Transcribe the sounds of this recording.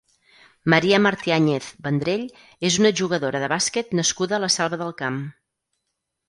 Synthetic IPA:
məɾiəməɾt̪iaɲeθbənd̪ɾeʎ | ezunəʒuɣ̞əðoɾəðəβasket̪nəskuðəːləsɛlˠβəðəlˠkam

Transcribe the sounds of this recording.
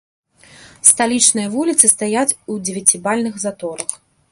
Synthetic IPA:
st̪alʲit͡ʂnɨjɐvulʲit̪sɨst̪ajat͡sʲud͡zʲɪvʲat͡sʲibalʲnɨxzat̪ɔɾɐx

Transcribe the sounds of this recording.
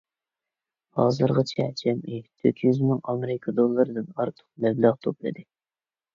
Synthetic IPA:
hɑːzɨɾʁɑt͡ʃʰɛd͡ʒʰɛmʔɪt̪ʰø̰kʲʰjyzmɪŋɑmɾɪkʰɑd̪olˠːɨɾɨd̪ɨnɑɾt̪ʰə̥q̚bɛblæʁt̪ʰoplˠɨ̰d̪ɨ

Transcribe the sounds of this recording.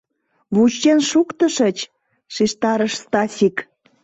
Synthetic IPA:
βut͡ɕːenʃukt̪əʃə̆t͡ɕ | ʃiʃt̪ɑɾəʃst̪ɑsʲik

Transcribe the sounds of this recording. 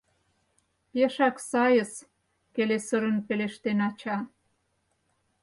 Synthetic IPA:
peʃɑksɑjəs | kelesəɾə̆npeleʃt̪enɑt͡ɕɑ

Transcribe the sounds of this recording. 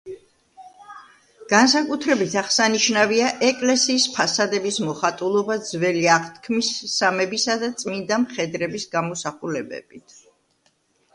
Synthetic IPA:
ɡ̥ansakʼut̪ʰɾɛbit̪ʰaχsaniʃnaviaʔɛkʼlɛsiːspʰasad̪ɛbismɔχat̪ʼulˠɔbad̪zvɛliaʁt̪ʰkʰmisːamɛbisad̪at̪sʼmind̪amχɛd̪ɾɛbisɡamɔsaχulɛbɛ̰bit̪ʰ

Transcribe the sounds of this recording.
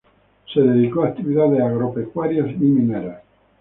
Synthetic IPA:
seðeðikoak̚t̪iβiðaðesaɣɾopekwaɾjasimĩneɾa

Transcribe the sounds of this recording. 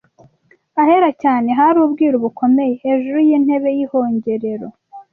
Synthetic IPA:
ahe̞ɾacaːne̞ɦaɾuːbɡiːɾuβukʰo̞me̞je̞heːʒuɾujin̥he̞βe̞jiho̞ːɲɟe̞ɾe̞ɾo̞̰

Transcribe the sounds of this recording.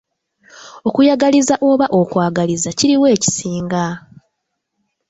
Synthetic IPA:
o̞kujaɡalizaʔo̞βaʔo̞kwaːɡalizaciɾiwe̞ːci̥siːŋɡa

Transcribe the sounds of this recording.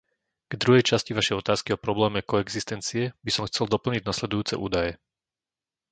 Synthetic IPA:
ɡ̥d̪ɾuɦɛjt͡ʃasciʋaʃɛjɔt̪aːskiɔpɾɔblɛːmɛkɔɛɡzist̪ɛnt͡siɛbisɔmxt͡sɛld̪ɔpl̩ɲiɟnaslɛd̪ujuːt͡sɛ̰ʔuːd̪ajɛ

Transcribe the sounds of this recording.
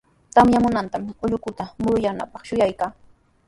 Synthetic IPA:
t̪amjamʊnant̪amʊʎʊkʊt̪amʊɾjana̰pɑχʃʊjajkaː

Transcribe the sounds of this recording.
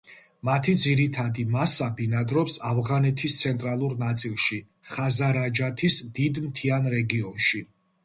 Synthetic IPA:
mat̪ʰid̪ziɾit̪ʰad̪imasabinad̪ɾɔpsavʁanɛt̪ʰist̪sʰɛnt̪ʼɾalˠuɾnat̪sʼilˠʃi | χazaɾad͡ʒat̪ʰisd̪̥id̪mt̪ʰianɾɛɡiɔnʃi

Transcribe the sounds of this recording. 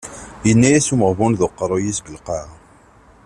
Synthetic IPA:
jənːæjæsuməʁvunðoqːɾˤojisɡəlqɑ

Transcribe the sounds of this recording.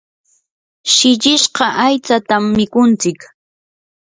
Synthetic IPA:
ʃɪʎɪʃɢɑʔajt͡sat̪amːɪkʊnt͡sɪk

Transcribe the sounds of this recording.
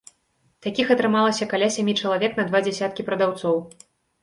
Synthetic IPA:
t̪akʲixɐt̪ɾɨmalˠɐsʲɐkalʲasʲamʲit͡ʂɐlˠavʲɛknɐd̪vad͡zʲɛsʲat̪̚kʲipɾɐd̪awt̪sɔw

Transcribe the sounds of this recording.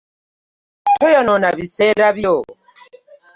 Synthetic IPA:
tʰɔjɔnɔnaβisɛɾaβjɔ

